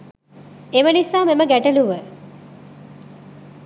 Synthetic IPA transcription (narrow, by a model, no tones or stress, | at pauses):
emənisaːmeməɡæʈəluʋə